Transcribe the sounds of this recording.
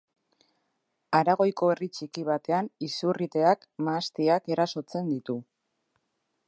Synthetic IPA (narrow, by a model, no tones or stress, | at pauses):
aɾaɣ̞o̞jko̞erit͡ʃikiβ̞at̪e̞anisurit̪e̞akmaːst̪iake̞ɾaso̞t͡se̞nd̪it̪u